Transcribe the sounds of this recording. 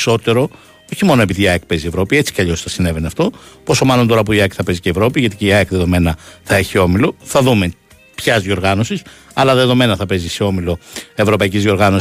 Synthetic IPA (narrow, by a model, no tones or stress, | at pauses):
so̞t̪e̞ɾo̞ | o̞çimo̞no̞e̞piðiɐek̚pe̞zie̞vɾo̞pie̞t͡si̥cɐʎo̞sθɐsine̞ve̞neɐft̪o̞poso̞mɐlo̞nt̪o̞ɾɐp̬uiɐekθɐpe̞ziceevɾo̞piʝɐt̪iceiɐekðe̞ðo̞me̞nɐθɐe̞çio̞milo̞θɐðume̞ | pçɐzðjo̞ɾɣɐno̞sis | ɐlɐðe̞ðo̞me̞nɐθɐpe̞ziseo̞milo̞e̞vɾo̞pɐicizðjio̞ɾɣɐnos